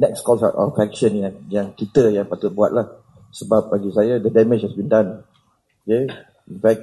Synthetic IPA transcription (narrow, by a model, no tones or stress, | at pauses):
nɛkskɔlsa̰tʔa̰fɛk̚ʃə̃njãŋjãŋkit̪əjãŋpat̪ut̪̚bua̰t̪̚lah | səbap̚aɡisajəd̪ədɛmɪd͡ʒhɛsbĩndãn | oke | infɛk̚